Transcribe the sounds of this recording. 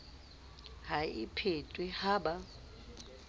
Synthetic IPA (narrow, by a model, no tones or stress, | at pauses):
haipʰetʼwihaːɓa